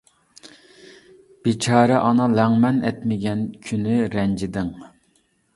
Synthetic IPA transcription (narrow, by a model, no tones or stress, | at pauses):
b̥ɪt͡ʃʰɑːɾɛʔɑnɑlɛŋmɛnɛ̰t̪mɪɡʲɛnkʲʰynɪɾɛnd͡ʒɪd̪ɪŋ